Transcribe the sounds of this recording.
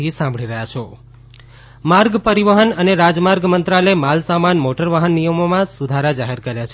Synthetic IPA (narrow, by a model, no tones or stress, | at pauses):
isãmbʱɭiɾəjat͡ʃʰe | maɾɡpəɾiʋəɦənəneɾad͡ʒmaɾɡmənt̪ɾaləemalsamanmoʈəɾʋaɦənːijəmomãsud̪ʱaɾad͡ʒaɦeɾkəɾjat͡ʃʰe